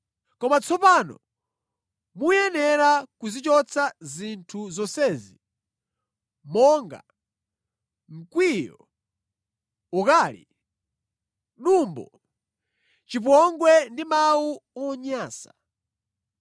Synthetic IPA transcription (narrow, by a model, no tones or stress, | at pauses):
kɔmat͡sɔpaːnɔ̰ | mujɛnɛɾakuzit͡ʃɔt͡sʰazintʰuzɔnsɛːzi | mɔːŋɡa̰ | ŋ̩kwijɔ | ɔkaːlḭ | ɗumbɔ̰ | t͡ʃip̬ɔŋɡwɛndimawuɔɲaːsa̰